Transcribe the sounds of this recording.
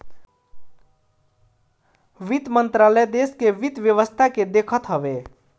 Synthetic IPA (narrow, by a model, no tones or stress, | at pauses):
ʋit̪mənt̪ɾaləd̪eskeʋit̪ʋjəʋəst̪ʰaked̪ekʰət̪ɦəbe